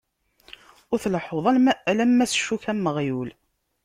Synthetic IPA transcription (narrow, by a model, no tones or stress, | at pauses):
ʊɾθləħoðˤæælæmːæsʃːuçæmːəʁjul